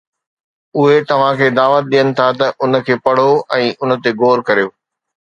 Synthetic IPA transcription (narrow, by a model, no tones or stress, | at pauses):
ʊɦet̪ɐʋ̤ãkʰeːd̪aːʋət̪̚ɗijənɪ̆t̪ʰat̪ɐʔʊnə̆kʰeːpɐɽ̤oɛ̃ːʔʊnə̆t̪eɡoːɾkɐɾijoː